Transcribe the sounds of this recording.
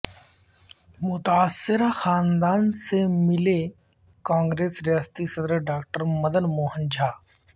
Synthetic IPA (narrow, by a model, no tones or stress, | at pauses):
mʊt̪aːsːɪɾaxaːnd̪aːnsemɪle | kãːŋɡɾeːsɾjaːst̪isɐd̪ɾəɖaːk̚ʈəɾmɐd̪ənmoːɦənd͡ʒʱaː